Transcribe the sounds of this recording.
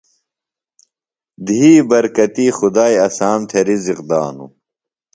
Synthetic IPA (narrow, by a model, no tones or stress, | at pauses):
d̪iɦiːbɐɾkɐt̪iːxud̪aːjɐsaːmt̪ʰeɾiziqd̪a̰ːnṵ